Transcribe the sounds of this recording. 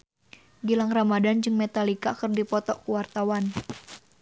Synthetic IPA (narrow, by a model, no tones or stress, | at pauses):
ɡilaŋramadand͡ʒɨŋmɛt̪alikakərdipɔt̪ɔʔkuwart̪awan